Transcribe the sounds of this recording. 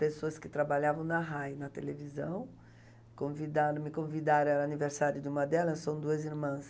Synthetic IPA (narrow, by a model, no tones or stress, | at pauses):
pesoɐskɪt̪ɾabaʎavɐ̃w̃nɐɦajnɐt̪elevizɐ̃w̃ | kõvid̪aɾmɪkõvid̪aɾɐ̃ɛɾaniveɾsaɾjʊd̪ɪũmɐd̪ɛlɐsːɐ̃w̃d̪uɐziɾmɐ̃s